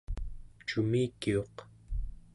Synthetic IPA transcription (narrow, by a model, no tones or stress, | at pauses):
t͡ʃumiːkːio̞q